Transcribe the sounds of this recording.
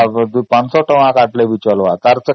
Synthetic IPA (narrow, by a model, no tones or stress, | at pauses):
d̪pansɔʈəʋãkaʈleʋit͡ɕəlʋat̪aɾt͡sə